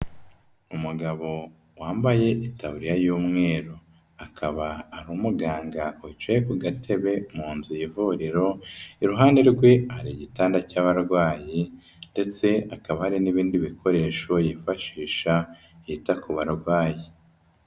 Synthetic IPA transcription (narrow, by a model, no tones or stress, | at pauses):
umuɡaβo̞ | waːmbaje̞ʔitaβuɾijajuːmŋe̞ːɾo | akʰaβaːɾuːmuɡaːŋɡaut͡ʃejekuɡatʰe̞βe̞muːnzujivuɾiɾo̞iɾuɦaːnde̞ɾɡwe̞haɾiɟitaːndacaːβaɾɡwaːji | nde̞t͡se̞akaβahaɾiniβiːndiβikʰo̞ɾe̞ːʃo̞jifaʃiːʃa | jitakuβaɾɡwaːji